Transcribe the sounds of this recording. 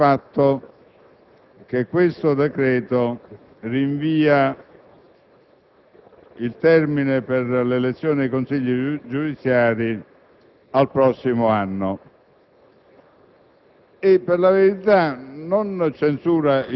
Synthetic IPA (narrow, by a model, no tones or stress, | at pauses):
at̪ːo | k̟ekːwest̪od̪ɛkɾɛːt̪o | riɱviːa | ilt̪ɛrmineperlelet̪sːjoːniajkonsiʎːid͡ʒud̪it̪sːjaːɾi | alpɾɔsːimoanːo | epːerlaveɾit̪anont͡ʃensuːɾai